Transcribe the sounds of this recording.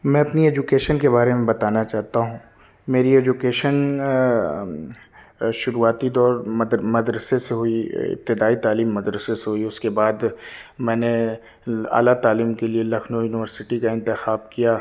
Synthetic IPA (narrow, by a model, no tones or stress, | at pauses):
mɛ̃ɐpnieːd͡ʒukeːʃənkebaːɾemẽbɐt̪aːnat͡ʃaːɦt̪aɦũ | meːɾieːd͡ʒukeːʃən | ʃʊɾuːaːt̪id̪ɔːɾd̪mɐd̪ɾəseseɦʊiɪ̰p̚t̪ɪd̪aːit̪aːliːmːɐd̪ɾəseseɦʊiʊskebaːd̪mɛ̃ːne | a̰ːlat̪aːliːmkelielɐkʰnojuːnɪʋəɾsɪʈikaɪ̃nt̪ɪxaːbkijaː